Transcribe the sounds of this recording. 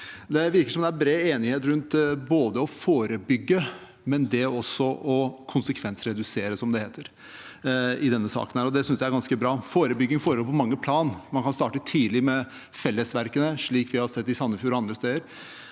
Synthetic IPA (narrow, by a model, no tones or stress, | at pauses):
d̪ɛʋɪɾkəʂɔmd̪ɛæɾbɾeːeːnɪheːt̪ɾʉnt̪boːd̪əɔfoːɾəbʏɡːə | mɛnd̪ɛɔsːɔʔɔkʰʊnsəkʰʋɛnsɾɛd̪ʉseːɾəsɔmd̪ɛheːt̪ʰəɾ | ɪd̪ɛnːəsɑ̰ːkənhæːɾɔd̪ɛsʏnsj̪ææɾɡɑnskəbɾɑːfoːɾəbʏɡːɪŋfoːɾəlpʰɔmɑŋːəpʰlɑːnmɑnkʰɑnst̪ɑːʈət̪ʰiːlɪmɛ | fɛlːəsʋæɾkənəʂɭiːkʋɪhɑsɛt̪ːɪsɑnːəfjʉːɾɑnd̪ɾəst̪eːd̪əɾ